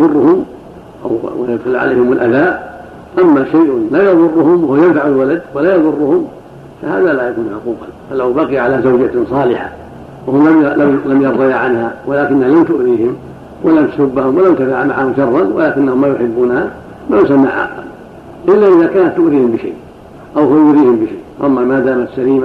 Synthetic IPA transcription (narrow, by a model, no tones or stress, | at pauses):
jɑðˤʊrˤːʊhʊm | ʔa̰wwa̰jʊd̪xʊlːʕa̰lḛjhɪmʊlʔaðaːʔ | ʔamːaʃajʔʊnlaːjɑðˤʊrˤːʊhʊmwahʊwjamd̪aʕalwalad̪walaːjɑðˤʊrˤːʊhʊm | faha̰ːðalajakuːnʕʊquːqɑ̰falawbaqijʕalazawd͡ʒasˤɑːlɪħa̰ | wahʊmlaalamjɑɾˤðɑjaʕanhawalaːkɪnːahalamt̪ʊʔðiːhɪm | walamt̪ʊ̥sʊbːahʊmwalamnt̪afaʕmaʕahʊmʃɑrˤːɑnwa̰laːkɪnːahʊmːaːjʊħɪbːuːnha | majʊsamːaʕʔa̰xla̰m | ʔɪlːaʔɪðaːkaːnat̪ːʊʔðiːhɪmbɪʃa̰jʔ | ʔawhʊwajʊʔðiːhɪmbɪʃajʔwʔamːamaːd̪aːmat̪saliːma